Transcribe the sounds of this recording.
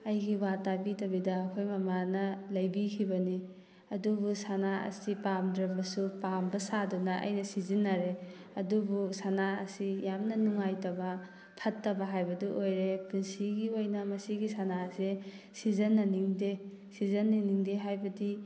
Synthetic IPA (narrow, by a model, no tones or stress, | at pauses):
ɐjɡiwatabitɐbidɐːkʰojmɐmanɐlɐjbikʰibɐni | ɐdubusanaɐ̰sipamdɾɐmbɐsupambɐsadunɐʔɐ̰jnɐsizinːaɾe | ɐdubusanaɐ̰sijamnɐnuŋajtɐbɐ | pʰɐtːɐbɐɦajbɐdiʔojɾepunsiɡiojnɐmɐsiɡisanase | sizɐnːɐniŋde | sizɐnːiniŋdeɦajbɐdi